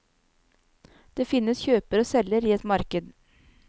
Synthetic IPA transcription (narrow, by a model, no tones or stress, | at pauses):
d̪̥eːfɪnːəsçøːpəɾoːsɛlːəɾiːɛt̪mɑɾkəd̪